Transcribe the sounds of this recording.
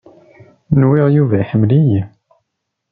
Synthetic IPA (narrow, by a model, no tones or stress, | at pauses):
nwiʁjuvæħəmlij